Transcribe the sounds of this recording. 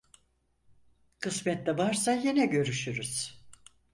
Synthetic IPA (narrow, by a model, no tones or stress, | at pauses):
kʰɯsmɛt̪lʲɛvaɾsajenɛɟø̞ɾyʃyɾyz̥